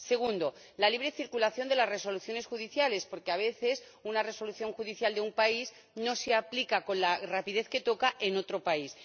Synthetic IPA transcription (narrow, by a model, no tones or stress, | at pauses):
se̞ɣ̞und̪o̞ | laliβ̞ɾe̞θiɾkulaθjo̞nd̪e̞lazre̞so̞luθjo̞ne̞sxuðiθjale̞spo̞ɾkeaβ̞e̞θe̞s | unare̞so̞luθjo̞ŋxuðiθjald̪eumpaiz | no̞seaplikako̞nlarapiðe̞θke̞t̪o̞kaʔe̞no̞t̪ɾo̞pais